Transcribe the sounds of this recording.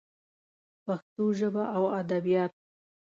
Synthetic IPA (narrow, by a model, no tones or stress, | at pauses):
paxt̪oʒəbaʔawad̪abijɑt̪̚